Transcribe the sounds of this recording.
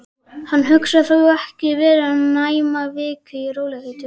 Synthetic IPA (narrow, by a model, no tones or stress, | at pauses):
hanːɦʏksaθaɛhcɪvɛːɾnaːjmavɪːkʏiɾoːwlɛɪt̪ɪ